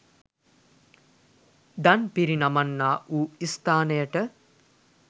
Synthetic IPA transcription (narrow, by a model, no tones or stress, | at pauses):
d̪anpiɾinamanːaːʔuːist̪aːnəjəʈə